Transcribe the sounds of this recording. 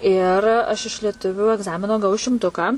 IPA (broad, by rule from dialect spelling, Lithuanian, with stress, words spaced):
ɪr ˈɐʃ ɪʃ lʲiɛˈtʊʋʲʊ ɛɡˈzɑːmʲɪnoː ɡɐˈʋɐʊ ʃʲɪmˈtʊkɑː